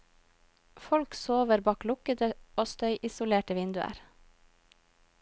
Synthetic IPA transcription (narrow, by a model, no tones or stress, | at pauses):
fɔlksoːʋəɾbɑːklʊkəd̪əoːst̪œʏʔɪsʊleːʈəʋɪnd̪ʉə̰ɾ